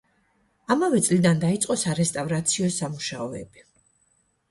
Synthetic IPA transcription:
amavɛt̪sʼlid̪and̪ait̪sʼqʼɔsaɾɛst̪ʼavɾat̪sʰiɔsamuʃaɔɛ̰bi

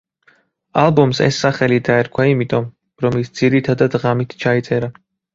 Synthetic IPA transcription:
alˠbɔmsɛ̰sːaχɛlid̪aɛɾkʰwaimit̪ʼɔm | ɾɔmisd̪z̥iɾit̪ʰad̪ad̪ʁamit̪ʰt͡ʃʰait̪sʼɛɾa

